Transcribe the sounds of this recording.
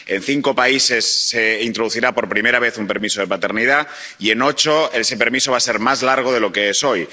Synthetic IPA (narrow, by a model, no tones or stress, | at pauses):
e̞nθiŋko̞paise̞sːe̞int̪ɾo̞ð̞uθiɾapo̞ɾpɾime̞ɾaβ̞e̞θumpeɾmisoð̞e̞pat̪e̞ɾnið̞a | ie̞no̞t͡ʃo̞e̞se̞pe̞ɾmisoβ̞ase̞ɾmazlaɾɣ̞oð̞e̞lo̞ke̞eso̞j